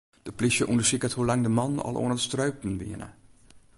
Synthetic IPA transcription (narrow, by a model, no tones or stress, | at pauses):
d̥əplisjəʔundəsikəthulaŋdəmɑnɑ̰lˠʔo̰ənədəstrœɥpn̩ʋḭənə̰